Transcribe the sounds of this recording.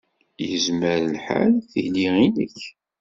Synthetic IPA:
jəzməɾlħa̰lθiliinəç

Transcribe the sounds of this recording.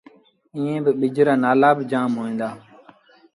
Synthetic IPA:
ĩːẽːbɪɓɪd͡ʒɾaːnaːlaːbɪd͡ʒaːmɦoːẽːnd̪aː

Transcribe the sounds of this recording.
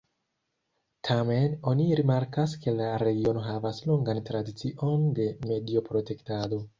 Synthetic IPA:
tʰame̞no̞niɾimaɾkas̬ke̞laɾe̞ɡio̞no̞ɦavaslo̞ŋɡantɾadit͡siʔo̞nde̞me̞dio̞pɾo̞te̞ktado̞

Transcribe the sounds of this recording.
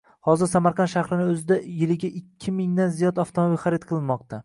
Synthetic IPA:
hɒzɪɾsamaɾqʰɑnʃaχɾɪnɪɵzɪd̪ajɪlɪɡʲaʔɪkʲʰːɪmɪŋd̪anzijɒd̪aft̪ʰomobilʲχaɾɪt̪̚qʰɨlˠɪnmɒq̚t̪ʰa

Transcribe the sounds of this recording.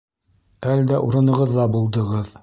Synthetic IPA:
æld̪æʔuɾɤ̆nɤ̆ʁɤðːɑbulˠd̪ɤ̆ʁɤð

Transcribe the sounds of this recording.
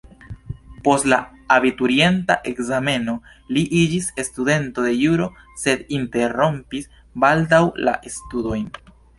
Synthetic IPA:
po̞stla | abituɾie̞ntaʔe̞kzame̞no̞ | liʔid͡ʒise̞stude̞nto̞de̞juɾo̞ | se̞d̪inte̞ɾo̞mpis | baldawla̰ʔestudo̞jn

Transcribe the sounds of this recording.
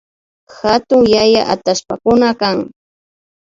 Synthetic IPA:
xat̪ʊŋjaja̰ʔat̪aspakʊnakaŋ

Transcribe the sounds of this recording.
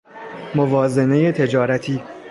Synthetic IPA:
movɒːze̞ne̞je̞t̪ʰe̞d͡ʒɒːɾæt̪ʰiː

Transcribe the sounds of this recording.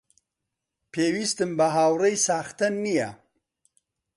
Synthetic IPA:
pʰewist̪əmbaɦaːwɾəjsaːxt̪anːija̰

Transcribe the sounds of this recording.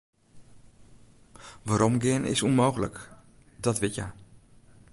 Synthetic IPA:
ʋaːɾɔmɡɪənɪ̰sunmoːɣələ̰k | dɔtʋɪtja̰

